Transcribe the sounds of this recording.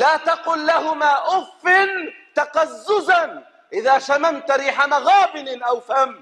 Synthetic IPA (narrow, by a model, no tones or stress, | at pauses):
laːt̪ɑqʊlːahʊmaːʔʊfːɪnt̪aqɑzːʊzan | ʔɪðaːʃamamt̪ɾiːħamaɣaːbɪnɪʔawfam